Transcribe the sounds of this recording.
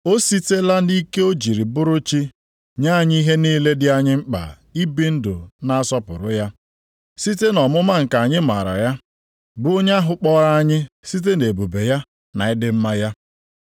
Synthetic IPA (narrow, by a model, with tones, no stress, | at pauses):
o˦si˦te˦la˦ni˦ke˦o˦d͡ʒi˨ɾi˨bʊ˦ɾʊ˦t͡ʃi˦ | ɲa˦a˦˨ɲɪ˦i˦ɦe˦niː˦le˦dɪ˦a˦ɲɪ˦ŋ͡m̩˦k͡pa̰˨ | i˦bi˦n̩˦dʊ˨na˦a˦sɔ˦pʊ̰˨ɾʊ˨˦ja˦ | si˦te˦nɔ˨mʊ˦ma˦ŋ̩˨ka˨ɲɪ˦ma̰˨ɾa̰˨ja˦ | bʊ˦o˦ɲ˦a˦ɦʊ˦k͡pɔ˦ɾa˦a˦ɲɪ˦si˦t̬e˦ne˨bo˨be˨ja˦ | na˨ɪ˦dɪ˦m̩˦ma˦ja˦